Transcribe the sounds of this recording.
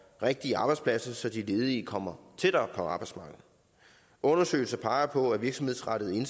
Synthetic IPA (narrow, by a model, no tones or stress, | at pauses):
ʁeɡ̥̚d̥iɑ̈ːb̥ɑ̈ɪspʰlæsɐsɒ̽d̥ile̝ːð̩ˠikʰɒ̽m̰ɐt͡sʰed̥ɐpʰɒ̽ɑ̈ːb̥ɑ̈ɪsmɑ̈ːɡ̥ð̩ˠ | ʔɔ̽nɐsø̰ɪl̩sɐpʰɑ̈ɪɐpʰɒ̽æʋiɐɡsɒmhe̝ðˠsʁɑɾ̥ð̩ˠe̝n